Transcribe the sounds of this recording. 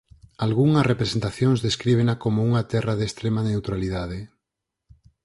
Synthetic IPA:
alɣuŋɐrepɾesent̪aθjoŋzðeskɾiβ̞enakomouŋat̪ɛraðeːst̪ɾemanewt̪ɾaliðaðe

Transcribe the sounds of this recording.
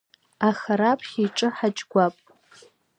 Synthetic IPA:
aχaɾapʰʼχʲiʈ͡ʂʼɨħat͡ʃʼɡʷapʼ

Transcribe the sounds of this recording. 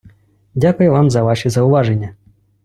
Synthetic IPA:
d͡zʲakʊjɛvamzɐvaʂɨzɐwvaʐɛnʲːɐ

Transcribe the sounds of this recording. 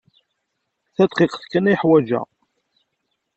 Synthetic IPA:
θæt̪ˤqiqθkːəniħwæd͡ʒæ̰

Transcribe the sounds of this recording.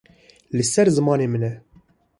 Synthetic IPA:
lɨsɛɾzɨmɑːneːmɨnɛ

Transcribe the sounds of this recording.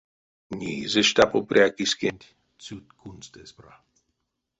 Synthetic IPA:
ɲiːzeʃt̪apopɾʲʔʲjakiskenʲt̪ʲ | t͡sut̪kunst̪espɾa

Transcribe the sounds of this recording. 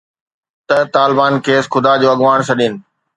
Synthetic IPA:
t̪ɐt̪aːlɪbaːnkeːsxʊd̪ad͡ʑoːɐɠʋaːɽ̃sʰɐɗinɪ̆

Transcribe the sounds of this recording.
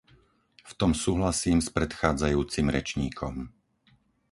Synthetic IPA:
ft̪ɔmsuːɦlasiːmspɾɛt̪xaːd͡zajuːt͡simɾɛ̰t͡ʃɲiːkʰɔm

